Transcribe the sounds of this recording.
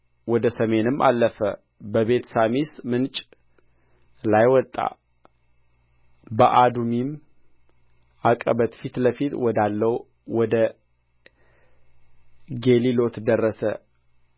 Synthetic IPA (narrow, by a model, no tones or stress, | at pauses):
wɔd̪əsəme̞nɨmːʔa̰lːəfə̰ | bəβe̞t̪samismɨnt͡ʃʼ | lajwɔt̪ʼːa̰ | bəʔad̪umim | ʔakʼəβət̪fit̪ləfit̪wɔd̪alːəw | wɔd̪ə | ɡe̞lilo̞t̪ʰd̪ərːəsə̰